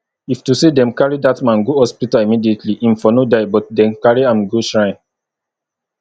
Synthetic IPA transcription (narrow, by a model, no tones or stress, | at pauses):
iftusedɛ̃mkaɹidatmãnɡohɔspitalimidietliʔĩnfɔnodaɪbɔt̚dɛ̃nkaɹiãmɡoʃɹãɪ̃n